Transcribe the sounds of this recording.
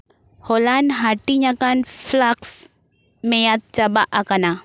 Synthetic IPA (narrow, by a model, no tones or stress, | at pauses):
holanɦaʈiɲakanflaks | mejat̪̚t͡ʃɐbaʔakana